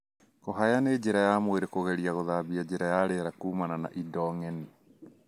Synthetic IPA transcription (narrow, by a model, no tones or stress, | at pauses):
kɔɦajaned͡ʒeɾajamweɾekoɣɛɾiaɣoðabiad͡ʒeɾajaɾeɾakuːmanana̰ʔidɔŋɛni